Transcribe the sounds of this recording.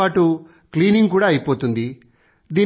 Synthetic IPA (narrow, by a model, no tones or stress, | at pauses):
aːʈu | kliːniŋɡkuːɽaːɐjipoːt̪und̪i | d̪iː